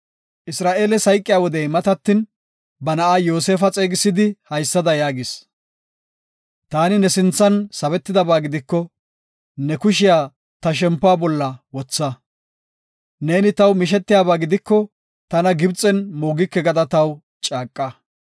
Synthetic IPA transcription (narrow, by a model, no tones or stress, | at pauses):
ʔɪsɾaːʔe̞ːlɛsɐjkʼːɪjaːwɔd̪ɛjmɐt̪ɐt̪ːɪn | bɐnɐʔaːjo̞ːse̞ːfɐt͡sʼe̞ːɡɪsːɪd̪ɪhɐjsːɐd̪ɐjaːɡɪs | t̪aːnɪnɛsɪnt͡sːɐnsɐβɛt̪ːɪd̪ɐbaːɡɪd̪ɪkːɔ | nɛkʊʃɪjaː | t̪ɐʃ̬ɛmpːʊaːbɔlːɐwɔt͡sːɐ | ne̞ːnɪt̪ɐwmɪʃ̬ɛt̪ːɪjaːβaːɡɪd̪ɪkːɔ | t̪ɐnɐɡɪbt͡sʼɛnmoːɡɪkːɛɡɐd̪ɐt̪ɐw | t͡ʃʼaːkʼːɐ